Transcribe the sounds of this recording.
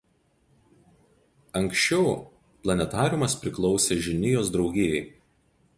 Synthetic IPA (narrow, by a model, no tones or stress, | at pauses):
ɐŋksʃʲt͡ʃʲɛʊ | plˠɐnʲɛt̪ɑːɾʲʊmɐspʲɾʲɪklˠɒʊsʲeːʒʲɪnʲɪjoːsd̪ɾɒʊɡʲeːjɛɪ